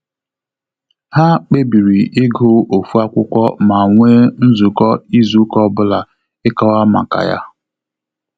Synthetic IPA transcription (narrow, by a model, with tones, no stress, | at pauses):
ha˦k͡pe˦bi˨ɾi˨ɪ˦ɡo˦o˨fu˦a˦kʷʊ˦kʷɔ̰˦ma˨ŋʷe˦n̩˦zu˨kɔ˦i˦zu˨˦kɔ˦bʊ˦la˨ | ɪ˦kɔ˦wa˦ma̰˨ka̰˨ja̰˦